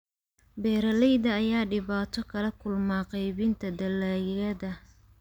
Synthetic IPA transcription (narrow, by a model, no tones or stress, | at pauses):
bɛːɾɐlɛjðɐːjaːɖɪβaːt̪ʰɔkʰɐlɐkʰʊlmaːqɑjβɪnt̪ʰɐd̪ɐlaːjɐðɐ